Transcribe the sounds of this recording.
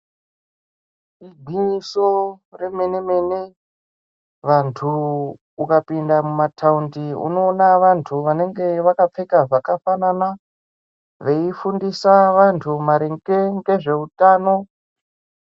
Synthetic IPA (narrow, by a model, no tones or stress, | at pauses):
iɡʱiɲiso̞re̞me̞ne̞me̞ne̞ | ʋantʰuː | kapindamumatʰaundiṵno̞ːnaʋantʰuʋane̞ŋɡe̞ʋakap͡fe̞kaʐakafanana | ʋe̞ifundisaʋantʰumaɾeŋɡeŋɡe̞ʐe̞utaːno̞